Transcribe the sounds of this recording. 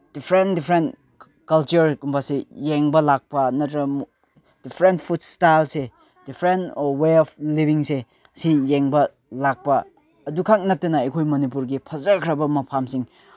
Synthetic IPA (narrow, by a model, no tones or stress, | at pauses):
d̥ipʰɾentdipʰɾent | kɐlt͡ʃuɾkumbʰasijeŋbɐlak̚pɐnɐtɾɐm | d̥ipʰɾentpʰut̚stajlse | d̥ipʰɾenɔweɔp̚ʰlibʱiŋse | sijeŋbɐ | lak̚pɐː | dukʰak̚nɐtːenɐɐjkʰojmonip̬uɾɡipʰɐzɐkʰɾɐbɐmɐpʰamsiŋ